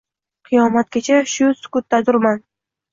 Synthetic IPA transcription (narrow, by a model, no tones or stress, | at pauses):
qʰɨjɒmat̪̚ɡʲat͡ʃʰaʃʊsʊ̥kʊt̪ːazʊɾman